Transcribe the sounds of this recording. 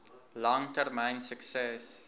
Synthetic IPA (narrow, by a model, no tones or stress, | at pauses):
lɔ̃ŋtəɾmãɪ̃nsəksɛs